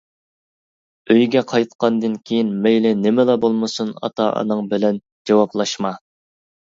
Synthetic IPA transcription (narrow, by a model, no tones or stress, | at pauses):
øjɡʲɛqʰɑjt̪qʰɑnd̪ɨnkʲʰejinmɛjlɪnɪmɪlɑbolˠmɨsunɑ̰t̪ʰɑ̰ʔɑ̰nɨŋbɪlɛn | d͡ʒɑwɑplˠɑʃmɑ